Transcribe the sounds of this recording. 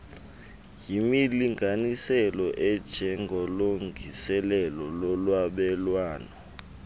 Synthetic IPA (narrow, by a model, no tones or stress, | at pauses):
jimiliŋʱanisɛlɔʔɛd̥ʒ̥ʱɛŋʱɔloŋʱisɛlɛlɔlɔlwaɓɛlwaːnɔ